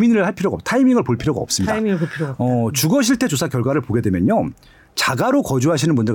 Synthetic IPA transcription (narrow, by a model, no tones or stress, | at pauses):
minɾɯɭhaɭpʰiɾjoɡa̰p̚tʰaimiŋɯɭpoɭpʰiɾjoɡa̰ʌp̚s͈ɯmɲidapʰoʌt͡ɕuɡʌɕʰiɭtʰe̞t͡ɕosʰakjʌɭɡwaɾɯɭpoɡe̞dwe̞mjʌɲo | t͡ɕaɡaɾokʌd͡ʑuɦaɕʰinɯnbundɯɭ